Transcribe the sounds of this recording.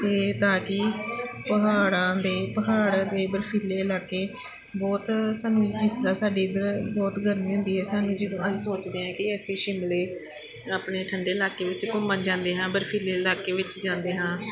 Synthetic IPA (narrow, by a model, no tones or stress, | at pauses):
t̪eːt̪aːkɪpəɦaːɽãːd̪eːpəɦaːɽd̪eːbəɾpʰiːlːeːəlaːkeː | bɔːt̪saːnːũːd͡ʒɪsd̪aːsaːɖeːd̪əɾbɔːt̪ɡʱəɾniːɦʊ̃nd̪iːɦɛːsaːnːũːd͡ʒɪd̪õːəd͡ʒsoːt͡ʃd̪eːɦɛ̃ːkɪɛːseːʃɪmleː | aːpɳeːʈʰəɳɖeːəlaːkeːʋɪt͡ʃkʊmãːd͡ʒãːnd̪eːɦãːbəɾpʰiːleːlaːkeːʋɪt͡ʃd͡ʒãːnd̪eːɦãː